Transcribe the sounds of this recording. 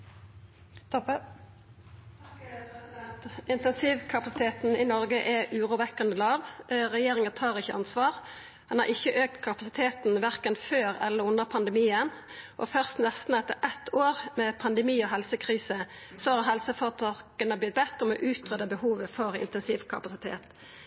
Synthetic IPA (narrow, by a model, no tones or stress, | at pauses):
t̪ʰɔp | t̪ɪnt̪ɛnsiːʋkʰɑpɑsɪt̪ʰeːt̪n̩inɔʁɡəʔɛʉːʁuːʋɛkːɑnd̪əlɑːʋɾɛjeːʁɪŋənt̪ʰɑːʁɪçːəʔɑnsʋɑːʁ | hɑnhɑ̰ʁɪçːəʔøːk̚t̪kʰɑpɑsɪt̪ʰeːt̪n̩ʋæʁkənføːʁɛlːəʁʊnːəʁpʰɑnd̪əmiːənʔɔ̰fœʁst̪nɛst̪n̩ɛt̪ːəʔɛt̪ʰːoːʁmɛpʰɑnd̪əmiːɔɦɛlsəkʰʁiːsə | sohɑːʁɦɛlsəfɔʁt̪ʰɑkənəblɪt̪̚bɛt̪ːəəmɔ̰ʔʉːt̪ʁød̪əbəhuːʋəfɔɾɪ̰nt̪ɛnsiːʋkʰɑ̰pɑsɪt̪ʰḛːt̪